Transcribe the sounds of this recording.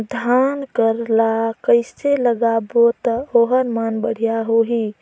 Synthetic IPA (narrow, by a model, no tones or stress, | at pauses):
d̪ʱankəɾlakəɪseləɡabot̪oɦəɾmanbəɽ̤ijaɦoɦi